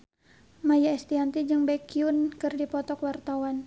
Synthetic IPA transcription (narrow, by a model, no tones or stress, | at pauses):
majaɛst̪iɦant̪id͡ʒɨŋbakiunkɨrdipɔt̪ɔkwart̪awan